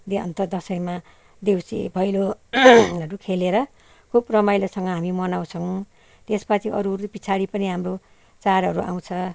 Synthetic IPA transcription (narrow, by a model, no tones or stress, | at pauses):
d̪eʌ̰nt̪ʌd̪ʌsʌjma | d̪ewsḭbʱʌjlo | ʌɾukʰeleɾʌ | kʰubrʌmajlosʌŋɡʌɦamimʌnaw̃t͡sʰʌw̃ | t̪espat͡sʰiʔʌ̰ɾurpit͡sʰaɽipʌniɦamro | t͡saɾɦʌɾua̰w̃t͡sʰʌ